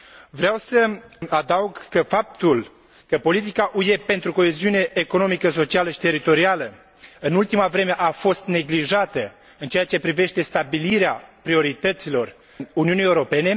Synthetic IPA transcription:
vɾeawsəad̪auɡkəfap̚t̪ul | kəpo̞lit̪ikaʔuje̞pe̞nt̪ɾuko̞e̞ziune̞ːko̞no̞mikəso̞t͡ʃialəʃi̥t̪e̞ɾit̪o̞ɾialə | ɨnult̪imavɾe̞me̞ʔafo̞st̪ne̞ɡliʒat̪ə | ɨnt͡ʃeat͡ʃe̞pɾive̞ʃt̪e̞st̪abiliɾeapɾio̞ɾit̪ət̪silo̞r | uniunijeuɾo̞pe̞ne̞

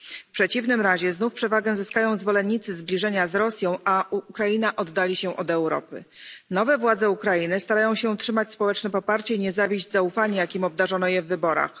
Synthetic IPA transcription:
fpʂɛt͡ɕivnɘmɾaʑɛznufpʂɛvaɡɛzɘskajɔ̃w̃zvɔlɛnːit̪sɘzblʲiʐɛɲazɾɔsʲjɔ̃w̃aukɾajinaʔɔd̪ːalʲiɕɛʔɔd̪ɛwɾɔ̰pɘ̰nɔvɛvwad̪zɛukɾajinɘst̪aɾajɔ̃w̃ɕɛtʂɘmat͡ɕspɔwɛt͡ʂnɛpɔpaɾt͡ɕɛiɲɛzavʲiʑd͡ʑzaufaɲɛjakʲimɔb̚d̪aʐɔnɔjɛvːɘbɔɾa̰x

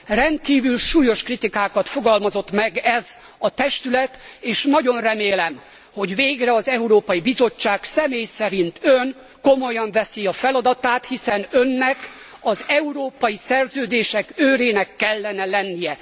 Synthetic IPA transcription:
rɛnt̪̚kiːvylʃuːjo̞ʃkrit̪ikaːkɒt̪fo̞ɡɒlmɒzo̞t̪mɛɡɛz | ɒt̪ɛʃt̪ylɛt̪eːʃnɒɟo̞nrɛmeːlɛm | ho̞ɟveːɡrɛɒzɛuɾoːpɒjibizo̞t͡ʃːaːksɛmeːjsɛɾint̪øŋ | ko̞mo̞jɒɱvɛsiɒfɛlɒd̪ɒt̪aːt̪hisɛnønːɛkɒzɛuɾoːpɒjisɛrzøːd̪eːʃɛkøːɾeːnɛkːɛlːɛnɛlɛnːijɛ

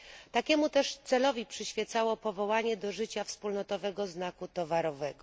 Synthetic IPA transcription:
t̪akʲɛmut̪ɛʂt̪sɛlɔvʲipʂɘɕfʲjɛt̪sawɔpɔvɔwaɲɛd̪ɔʐɘt͡ɕafspulnɔt̪ɔvɛɡɔznakut̪ɔvaɾɔvɛɡɔ

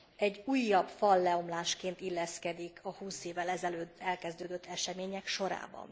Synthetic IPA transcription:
ɛɟːuːjːɒbfɒlːɛo̞mlaːʃkeːnt̪ilːɛskɛd̪ikʰɒhuːseːvɛlɛzɛløːd̪ɛlkɛzd̪øːd̪øt̪ːɛʃɛmeːɲɛkʃo̞ɾa̰ːbɒ̰n

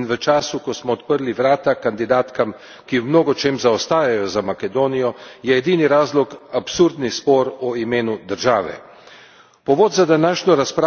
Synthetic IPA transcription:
nʋət͡ʃaːsukɔsmɔːt̪pəɾliʋɾaːt̪akand̪id̪aːt̪kam | kiwmnoːɡɔt͡ʃeːmzaɔst̪aːjajɔzamakɛd̪oːnijɔjɛːd̪iːniɾaːzlɔkapsuɾd̪nispɔːɾɔimeːnud̪əɾʒaːʋɛ̰ | pɔʋoːd̪zad̪anaːʃɲɔɾaspɾa

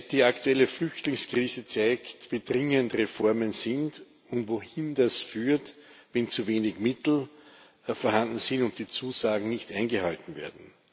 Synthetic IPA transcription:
d̥iːaktuɛlːəflʏçtlɪŋskʁ̥iːzət͡sæɪktviːd̥ʁɪŋəndʁefɔɐmənsɪnt | ʊntvohɪndasfyːɐt | vɛnt͡suveːnɪçmɪtl̩ | fɔɐhandn̩sɪntʊnt̚d̥iːt͡suːzaːɡŋ̩nɪçtʔæ̃ɪnɡəhaltn̩vḛːɐdn̩

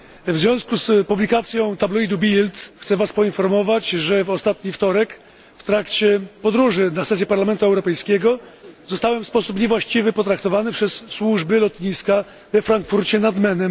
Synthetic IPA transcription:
vzvjɔ̃w̃skuspublʲikat̪sʲjɔ̃w̃t̪ablɔid̪ubʲilt̪xt̪sɛvaspɔinfɔɾmɔvat͡ɕʐɛvɔst̪at̪ɲift̪ɔɾɛk | ft̪ɾakt͡ɕɛpɔd̪ɾuʐɘnasɛs̬jɛpaɾlamɛnt̪uɛwɾɔpɛjskʲɛɡɔzɔst̪awɛmfspɔsupɲɛvwaɕt͡ɕivɘpɔt̪ɾakt̪ɔvanɘpʂɛsːwuʐbɘlɔt̪ɲiska | vɛfɾaŋkfuɾt͡ɕɛnad̪mɛnɛm

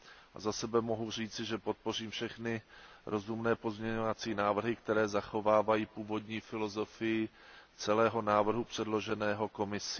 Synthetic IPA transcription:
ʔa̰zasɛbɛmo̞ɦur̝iːt͡sɪʒɛpo̞t̪̚po̞r̝iːmfʃɛxnɪɾʔo̞zumnɛːpo̞zmɲɛɲovat͡siːnaːvr̩ɦɪkt̪ɛɾɛːzaxo̞vaːvajiːpuːvo̞d̪ɲiːfɪlo̞zo̞fɪjɪ | t͡sɛlɛːɦo̞naːvr̩ɦupr̝̥ɛdlo̞ʒɛnɛːɦo̞ko̞mɪsɪ

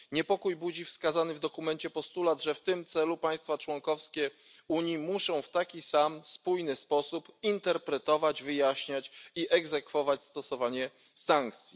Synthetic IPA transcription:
ɲɛpɔkujbud͡ʑifskazanɘvd̪ɔkumɛnt͡ɕɛpɔst̪ulad̪ʐɛft̪ɘmt̪sɛlupaj̃st̪fat͡ʂwɔŋkɔfskʲɛ | uɲjimuʂɔ̃w̃ft̪akʲisamspujnɘspɔsupint̪ɛɾpɾɛt̪ɔvad͡ʑvɘjaɕɲat͡ɕiʔɛɡzɛkfɔvat͡ɕst̪ɔsɔvaɲɛ | saŋk̚t̪sʲji

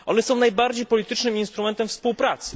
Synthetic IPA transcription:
ɔ̰nɛsɔ̃w̃najbaɾd͡ʑejpɔlʲit̪ɘt͡ʂnɘminst̪ɾumɛnt̪ɛmfspuwpɾat̪sɘ

